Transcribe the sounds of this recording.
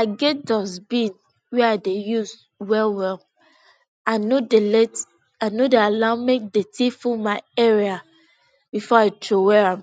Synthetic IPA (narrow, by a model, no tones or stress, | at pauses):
aɡɛt̚dɔsbĩn | wɛaɪdejuz | wɛlwɛl | anodelɛt | anodealammek̚detʰifumaɪɛɹia | bifɔaɪtʰɹowɛɹãm